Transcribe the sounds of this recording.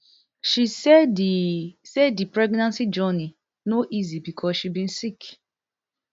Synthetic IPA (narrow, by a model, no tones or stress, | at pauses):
ʃisɛisɛdipɹɛɡnãnsid͡ʒɔni | noʔizibikʰɔsʃibĩn̩sik